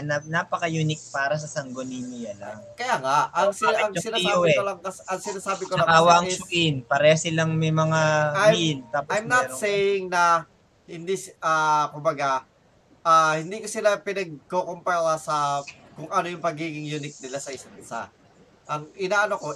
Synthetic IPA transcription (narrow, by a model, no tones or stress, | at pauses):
nɐnapɐkɐjunɪk̚paːɾɐs̬ɐsɐŋɡoninɪjala̰ŋkɐjaŋaʔɐŋsɐŋosɪnaːjaoɛkolɐŋkɐsʔɐŋsɪnaːsaːbɪkolaaːwaʔɐŋsʊkɪnpɐɾɛhɐsɪlaŋmɛjmɐŋajilt̪aːpoajmnaɛsejɪŋnɐ | hɪnd̪iʔaːkʊmbɐɡa | ʔahɪnd̪iːkosɪlapɪnɐɡ̚kokompɛlɐsɐkʊŋɐnojʊŋpɐɡiːɡɪŋjunɪk̚nɪlasɐɪsaŋɪsa̰ | ʔɐŋʔɪnaːʔɐnoko